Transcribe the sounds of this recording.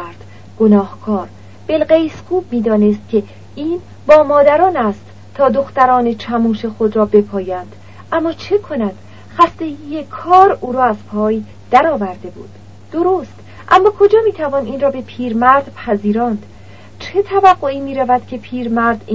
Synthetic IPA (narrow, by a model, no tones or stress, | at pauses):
ɾd̪̥ | ɡ̥onɒːhkʰɒːɾ | b̥elɢe̞jsxuːb̚miːd̪ɒːnest̪̚cʰʲe̞ | iːn | bɒːmɒːd̪æɾɒːnæst̪ | t̪ʰːɒːd̪o̞xt̪æɾɒːne̞t͡ʃʰæmuːʃe̞xod̪ɾɒːbe̞pʰɒːjænd̪̥ | ʔæmːɒːt͡ʃʰe̞kʰo̞næd̪̥ | xæst̪e̞ɡijekʰɒːɾuːɾɒːæzpʰɒːj | d̪̥æɾɒːvæɾd̪e̞bṵːd̪̥ː | o̞ɾost̪ | ʔæ̰mːɒːkʰo̞d͡ʒɒːmiːt̪ʰævɒːniːnrɒːbe̞pʰiːɾmæɾd̪̥pʰæziːɾɒːnd̪̥ | t͡ʃʰe̞t̪ʰævæɡːoiːmiːɾævæd̪̥cʲʰe̞pʰiːɾmæɾd̪i